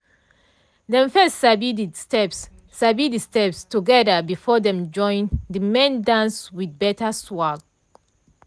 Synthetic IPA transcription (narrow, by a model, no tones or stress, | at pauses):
dɛ̃ɱfɛstsabididstɛps | sabidistɛpstuɡɛdəbifɔdɛ̃md͡ʒɔ̃ɪ̃ndimẽndãnswid̚bɛtaswaɡ